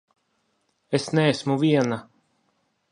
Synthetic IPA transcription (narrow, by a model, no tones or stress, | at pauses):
esnɛːsmuvʲiɛna